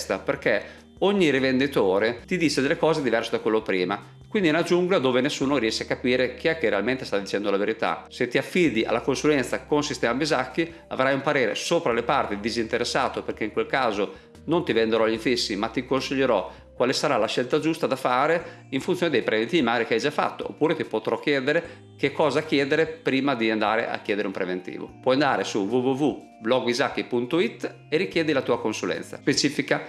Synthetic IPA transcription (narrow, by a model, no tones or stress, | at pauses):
st̪aperke | oɲːiɾivend̪it̪oːɾet̪id̪iːt͡ʃed̪elːekɔːzed̪ivɛrsed̪akwelːopɾiːma | kwind̪inad͡ʒːuŋɡolad̪ːoːvenesːuːnoɾiɛʃeakːapiːɾek̟iɛkːerːealment̪e̥st̪ad̪it͡ʃɛnd̪olaveɾit̪a̰set̪ːiafːiːd̪iʔa̰lːakonsulɛnt̪sakonsist̪ɛːmabizakːi | a̰vɾajumpaɾeːɾḛsoːpɾalepart̪id̪izint̪eɾesːaːt̪operkeiŋkwelkaːzo | nont̪ivend̪eɾɔʎːiɱfisːimat̪ːikonsiʎːeɾɔ | kwalesaɾalaʃːɛlt̪ad͡ʒust̪ad̪afaːɾe | iɱfunjoːned̪ejpɾʔevent̪iːvimaɡaːɾikeajd͡ʒafːa̰t̪ːo̰o̰pːuːɾet̪ipot̪ɾɔk̟ːjɛːd̪eɾe | k̟ekːɔːzakjɛːd̪eɾepɾiːmad̪iand̪aːɾḛʔa̰k̟jɛːd̪eɾeumpɾevent̪ḭːvo̰pwɔjand̪aːɾesuvuvuvu | blɔɡizakːipunt̪oit̪ː | erik̟jɛːd̪ilat̪uːakonsulɛ̰nsa̰spet͡ʃiːfika